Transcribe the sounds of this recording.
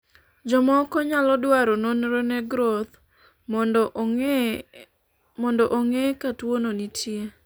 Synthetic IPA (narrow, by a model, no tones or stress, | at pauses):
d͡ʒɔmɔkɔɲalɔdwaɾononɾoneɡɾot̪ | mɔndɔʔoŋekatwononitʰje